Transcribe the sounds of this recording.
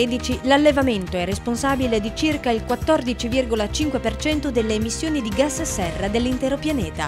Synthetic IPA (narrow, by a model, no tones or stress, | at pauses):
ed̪it͡ʃilalːevament̪oɛrːesponsaːbiled̪it͡ʃirkailkwat̪ːɔrd̪it͡ʃivirɡolat͡ʃiŋkwepert͡ʃɛnt̪od̪elːeːmisːjoːnid̪iɡasːesːɛrːad̪elːint̪ɛːɾopjanɛːt̪a̰